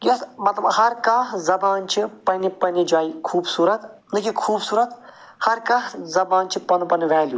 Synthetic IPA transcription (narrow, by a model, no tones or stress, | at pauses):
jɐsmɐt̪lɐbhɐɾkaːɦzɐbaːnt͡ʃʰipɐnʲipɐnid͡ʒaːikʰuːbsuːɾɐt̪ | nɨkikʰuːbsuːɾɐt̪ | hɐɾkɐɦzɐbaːnt͡ʃʰipɐnupɐnʋɛːlju